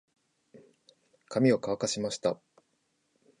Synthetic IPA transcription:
kʰamʲio̞kaβkaɕimaɕi̥t̪a

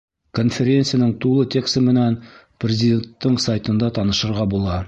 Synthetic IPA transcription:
konfʲeɾʲent̪sɨjanɤɴt̪ulˠɤt̪ʲe̞kst̪əmɘ̆næn | prʲɪzʲɪd̪ʲe̞nt̪ːɤɴsajt̪ɤ̆nd̪ɑt̪ɑnɤ̆ʃɤ̆ɾʁɑbulˠɑ

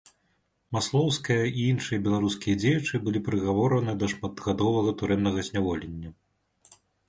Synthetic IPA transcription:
maslˠɔwskɐjɐʔiinʂɨjɐbʲɛlˠaɾuskʲijɐd͡zʲejɛt͡ʂɨbɨlʲipɾɨɣavɔɾɐnɨd̪ɐʂmat̪ɣad̪ɔvɐɣɐt̪uɾɛnːɐɣɐzʲnʲavɔlʲenʲːɐ

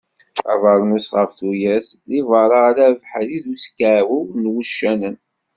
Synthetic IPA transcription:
æ̰vəɾˤnusʁəfθujæθlivɑɾˤɑʁlævħliðuskaʕwiwnwuʃːænən

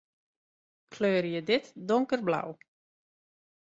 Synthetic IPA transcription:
kʰløːrjədɪtdʊŋkərbla̰w

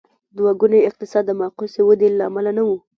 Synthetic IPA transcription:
d̪waɡuneɪq̚t̪ɪsɑd̪ːəmɑqosewəd̪elːaːmalanawu

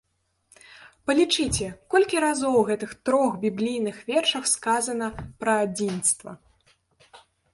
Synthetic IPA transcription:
pɐlʲit͡ʂɨt͡sʲɛkɔlʲkʲiɾazɔwɣɛt̪ɨxt̪ɾɔxbʲiblʲijnɨxvʲɛrʂɐxskazɐn̪ɐpɾɐad͡zʲinst̪vɐ̰

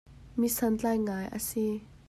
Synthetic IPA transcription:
misɐnt͡ɬajŋajʔə̰si

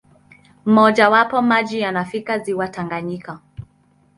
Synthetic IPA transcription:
m̩mɔʄawapɔmaʄijanafikaziwataŋɡaɲika

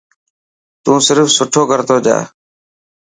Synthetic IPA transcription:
t̪ũːsɪɾfsʊʈʰoːkəɾt̪oːd͡ʒa̰ː

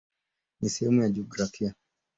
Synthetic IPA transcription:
nisɛhɛmujad͡ʒiɔɡɾafia

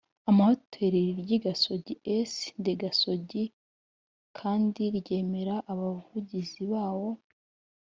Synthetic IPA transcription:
amahotʰeɾiɾiɾɟiɡaso̞ɟiesndeɡaso̞ɟi | kʰaːndiɾɟe̞ːme̞ɾaʔːβavuɟiziβaːwo̞

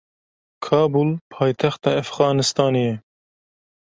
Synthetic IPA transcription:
kʰɑːbulpʰɑːjt̪ʰɛxt̪ɑːæfɣɑːnɨst̪ɑːneːjɛ

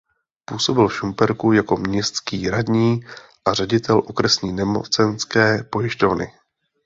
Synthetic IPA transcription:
puːso̞bɪlfʃumpɛɾkujako̞mɲɛst̪kiːɾadɲiː | ʔarɛɟɪt̪ɛlʔokɾɛsɲiːnɛmo̰t͡sɛnskɛːpo̞jɪʃt̪o̞vnɪ̰

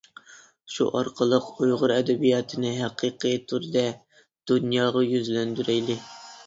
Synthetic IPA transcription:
ʃṵʔɑɾqʰəlˠəqujʁʊɾɛd̪ɛbijɑːt̪ʰɨnɪɦæqʰiqʰɨjt̪ʰuɾd̪ɛ | d̪̥unjɑːʁɑjyzlɛnd̪yɾɛjlɪ

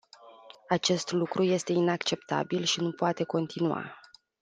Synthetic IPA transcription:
at͡ʃe̞st̪lukɾʔuje̞st̪e̞inakt͡ʃe̞pt̪a̰bilʃinupoat̪e̞ko̞nt̪ʰinua̰

